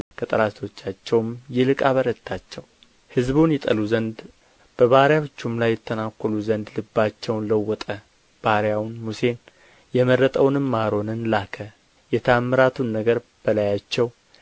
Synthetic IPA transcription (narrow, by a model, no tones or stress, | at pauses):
kʰət̪ʼəɾast̪ʰo̞t͡ʃːat͡ʃːɛwmjɪlɨkʼaβəɾət̪ʰːat͡ʃːɛw | hɨzbunjɛt̪ʼəluzənd̪ | b̥əβahɾjaot͡ʃːumlajːɛt̪ʰːənakʷːɔluzənd̪lɨbːat͡ʃːɛwnləwːɔt̪ʼə | b̥ahɾjawnmuse̞n | jɛmərːət̪ʼəwnɨmːaɾo̞nɨnlakʰə | jɛt̪ʰamːɨɾat̪ʰunːəɡəɾ | b̥əlajat͡ʃːɛw